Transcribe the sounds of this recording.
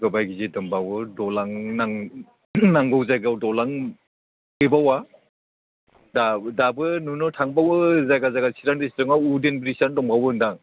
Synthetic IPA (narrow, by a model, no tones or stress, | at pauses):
ɡɯbajɡizedɔmbawɯdɔlaŋnaŋ | naŋɡɔwzajɡawdɔlaŋ | ɯjbawa | dadabɯnunɔtʰaŋbawzajɡazaɡasʰiɾaŋdistɯŋawudenbiɾisandɔŋbawɯɯndaŋ